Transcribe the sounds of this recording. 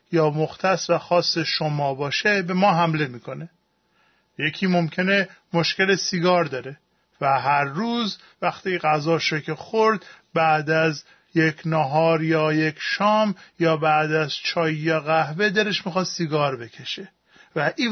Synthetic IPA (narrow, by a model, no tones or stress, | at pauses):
jɒːmoxt̪ʰæsvæxɒːsːeʃomɒːbɒːʃebe̞mɒːɦæmle̞miːkʰo̞ne̞ | je̞cʰiːmomcʰene̞mo̞ʃce̞lesiɡɒːɾd̪ɒːɾe̞ | væɦæɾːuːz | væxt̪iːɣæzɒːʃocʰexoɾd̪bæːd̪æz | jecʰnɒɦɒːɾjɒːje̞cʰʃɒːmjɒːbæːd̪æzt͡ʃʰɒːjijɒɣæhve̞d̪æɾeʃmixɒːd̪siɡɒːɾbe̞cʰe̞ʃe | væʔiː